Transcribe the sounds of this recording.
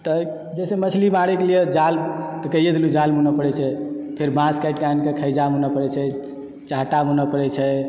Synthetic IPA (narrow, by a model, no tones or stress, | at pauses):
t̪ə | d͡ʒɛsemət͡ʃʰlimaɽɛkelijed͡ʒalt̪ɔkəijed̪elud͡ʒalmunəpəɽɛt͡ʃʰɛpʰeɾbãskajʈkankekʰəjd͡ʒamunəpəɽɛt͡ʃʰɛ | t͡ʃaɦʈamunəpəɽɛt͡ʃʰɛ